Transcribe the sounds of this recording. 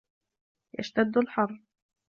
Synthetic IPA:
ja̰ʃt̪ad̪ːalħɑrˤː

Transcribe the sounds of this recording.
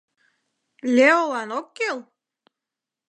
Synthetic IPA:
lʲeolɑnokːelˠ

